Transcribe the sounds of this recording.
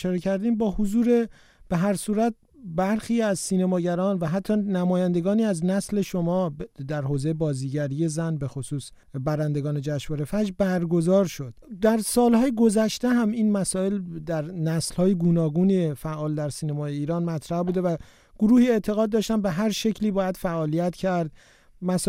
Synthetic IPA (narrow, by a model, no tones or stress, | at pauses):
ʃɒːɾecʰæɾd̪iːmbɒːhozuːɾe̞ | b̥eɦæɾsuːɾæt̪̚ | bæɾxiːæzsiːnemɒːɟæɾɒːnvæɦæt̪ʰːɒːnæmɒːjænd̪e̞ɡɒːniːæznæsle̞ʃomɒːd̪æɾhoːzejebɒːziːɟæɾije̞zænbe̞xosuːs | bæɾænd̪e̞ɡɒːne̞d͡ʒæʃvɒːɾe̞fæd͡ʒbæɾɡo̞zɒːɾʃo̞d̪̥d̪æɾsɒːlhɒːjeɡo̞zæʃt̪eɦæmiːnmæsɒːe̞ld̪æɾnæslhɒːjeɡuːnɒːɡuːnefæʔɒːld̪æɾsiːnemɒːjeiːɾɒːnmæt̪ʰɾæhbuːd̪evæ | ɡ̥oɾuːhiːe̞t̪ʰe̞ɣɒːd̪̚ːɒːʃt̪ænbe̞ɦæɾʃe̞cʰliːbɒːjæd̪̥fæʔɒːlijæt̪ʰcʰæɾd̪̚ | mæs